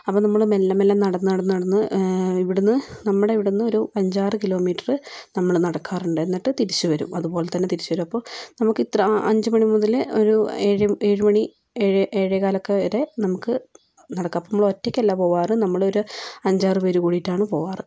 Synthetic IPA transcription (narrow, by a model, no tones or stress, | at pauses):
ɐpːoːnɐmːɐɭɨmelːɐmelːɐmnɐɽɐnːɨnɐɽɐnːɨɐɽɐnːɨiʋiɽunːɨnɐmːɐɽeʋiɽunːɨo̞ɾupɐɲd͡ʑaːrɨkilo̞ːmiːʈːɐrɨnɐmːɐɭnɐɽɐkːaːruɳɖɨe̞nːiʈːɨt̪iɾit͡ɕːuʋɐɾṵmʔɐðupo̞ːlet̪ːɐnːe̞t̪iɾit͡ɕːuʋɐɾumɐpːo̞ːnɐmukːit̪ːrɐɐ̰ɲd͡ʑɨmɐɳimuðɐloɾueːɻieːɻumɐɳi | eɻʔeːɻjɐkaːlɐkːeɾe̞nɐmukːɨ | nɐɽɐkːɐpːɐnmːɭotːekʲːelːaːpo̞ːʋaːrɨnɐmːɐɭo̞ɾuɐɲd͡ʑaːrɨpeɾukuːɽijtːaːɳɨpo̞ːʋaːrɨ